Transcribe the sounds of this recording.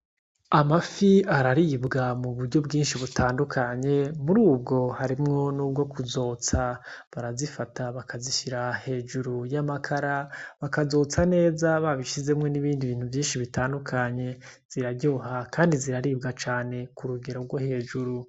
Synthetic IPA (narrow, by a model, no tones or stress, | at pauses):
amafiaɾaɾibɡamuβuɾɟo̞bɡiːnʃiβutʰaːndukʰaɲe̞muɾuːb̚ɡo̞haɾimŋo̞nuːb̚ɡo̞kuzo̞ːt͡saβaɾazifataβakaziʃiɾahe̞ːʒuɾujamakʰaɾaβakazo̞ːt͡sane̞ːzaβaβiʃize̞mŋe̞niβiːndiβiːn̥uvjiːnʃiβitaːndukʰaɲe̞ | z̥iɾaɟoːhakaːndiziɾaɾiːb̚ɡat͡ʃaːne̞kuɾuɡe̞ɾo̞ɾɡwohe̞d͡ʒuɾu